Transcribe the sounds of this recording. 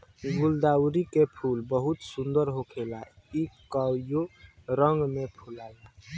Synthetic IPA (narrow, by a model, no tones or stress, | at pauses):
ɡuld̪awɾikepʰulbəɦut̪sund̪əɾɦokʰelaikajoɾəŋɡmepʰulala